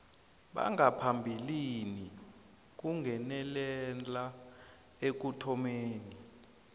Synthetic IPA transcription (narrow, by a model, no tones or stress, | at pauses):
ɓa̰ŋɡapʰambʱilini | k̬uŋɡʱɛnɛlɛla | ek̬utʰɔmeːni